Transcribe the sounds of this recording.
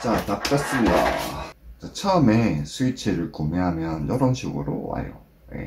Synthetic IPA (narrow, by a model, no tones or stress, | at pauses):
t͡ɕatap̚k͈as͈ɯda̰ | t͡ɕat͡ɕʰaɯmesʰuit͡ɕʰeɾɯɭkomeɦamjʌnjʌɾʌnɕʰiɡɯɾo̰wa̰jo̰ | jḛ